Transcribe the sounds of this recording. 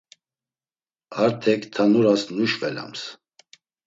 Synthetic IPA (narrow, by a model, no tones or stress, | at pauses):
aɾt̪ʰɛkʰt̪ʰanuɾasnuʃvɛla̰ms